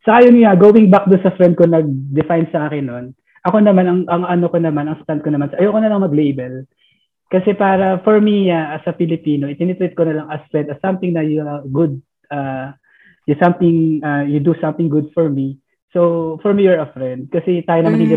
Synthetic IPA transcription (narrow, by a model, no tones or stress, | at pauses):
sɐkaːjonaɡoːwɪŋbak̚d̪ʊnsɐfɾɛnd̪̚konɐɡ̚d̪ɛfajnsɐʔaːkɪnːon | ʔɐko̞nɐmanɐŋʔɐŋɐnokonɐmanɐŋst̪ant̪̚konɐmansɐʔɐjɐwkonɐlɐŋmɐɡlejbɛl | kɐsɛpaːɾɐfɔɹmiasɐfɪlɪpiːno̞ʔɪt̪ɪnɛt̪ɾɛt̪̚konɐlɐŋɐspɛt̪ɐsɐ̃mt̪ɪŋnɐjuɡʊd̪̚ | ʔa | jʊsɐ̃mt̪ɪ̃ŋajʊd̪usɐ̃mt̪ɪ̃ŋɡʊd̪fɔɹmi | sowfɔɹmijɔɹɐfɹɛ̃nd̪̚kɐsɛt̪aːjonɐmanhɪŋɡɪ